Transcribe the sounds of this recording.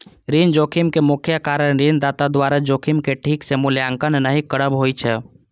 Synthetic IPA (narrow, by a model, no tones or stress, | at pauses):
ɾind͡ʒokʰimkemʊkʰjakaɾəɽ̃ɾind̪at̪ad̪ʋaɾad͡ʒokʰimkeʈʰiksemuljãŋkənnaɦikəɽəbɦojt͡ʃʰɛ